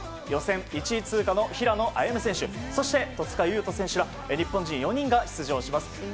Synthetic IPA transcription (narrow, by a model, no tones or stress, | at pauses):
jo̞sẽ̞ŋit͡ɕit͡sɨːkano̞çiɾano̞ʔaiemɯ̟sẽ̞ɰ̃ɕɨso̞ɕi̥t̪e̞t̪o̞t͡sɨ̥kajɯ̟ːt̪o̞sẽ̞ɕɨɾa | ɲ̟ipːõ̞ɲ̟d͡ʑĩjo̞ɲ̟ĩŋɡaçi̥t͡sɨʑo̞ːɕimasɨ̥